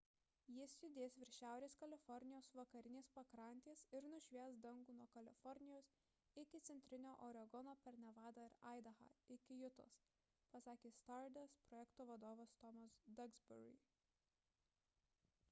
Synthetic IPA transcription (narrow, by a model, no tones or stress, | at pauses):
jɪsʲjʲʊd̪ʲeːsʋʲɪɾʲʃʲæˑʊɾʲeːskɐlʲɪfɔɾʲnʲɪjoːsʋɐkɐɾʲɪnʲeːspɐkɾɐˑnʲt̪ʲeːsɪɾnʊʒʲʋʲiɛsd̪ɐŋɡuːnuɔkɐlʲɪ̰fɔɾʲnʲɪjoːs | ɪkʲɪt̪sʲɛnʲt̪ʲɾʲɪnʲoːʔɔɾʲɐɡɔnoːpʲɛɾnʲɛʋɑːd̪ɐɪɾɑɪd̪ɐxɐ̰ɪkʲɪjʊt̪o̰ːs | pɐsɑːkʲeːst̪ɑɾd̪ʲɐspɾɔjɛkt̪oːʋɐd̪oːʋɐst̪ɔmɐsd̪ɐɡzbʲʊ̰ɾʲɪ̰